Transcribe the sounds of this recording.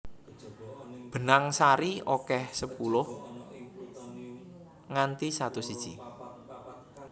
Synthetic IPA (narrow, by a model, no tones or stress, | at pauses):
b̥ə̤naŋsaɾiokɛhsəpulʊh | ŋant̪isat̪usid̥ʒ̥ḭ